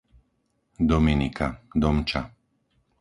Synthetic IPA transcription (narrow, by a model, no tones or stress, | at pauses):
d̪ɔminikʰad̪ɔmt͡ʃa